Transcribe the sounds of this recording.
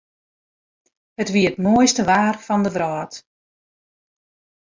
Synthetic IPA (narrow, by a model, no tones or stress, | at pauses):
hətʋiətmoəjstəʋaːrfɔndəʋrɔːt